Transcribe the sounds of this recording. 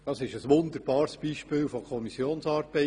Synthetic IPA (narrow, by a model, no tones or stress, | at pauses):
d̥ɑsɪʃəsʋʊnd̪əɾb̥ɑːɾsb̥iːʃpɪːwfokʰɔmisjoːnsɑːɾbɛ